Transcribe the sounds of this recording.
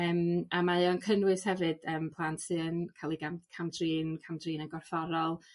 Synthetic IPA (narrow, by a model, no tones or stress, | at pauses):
əːmamajɔnkʰənwɨshɛvɨd̥əːmpʰlˠantʰɨənkʰalˠiɡamkʰamdriːnkʰamdriːnənɡɔrfɔɾɔlˠ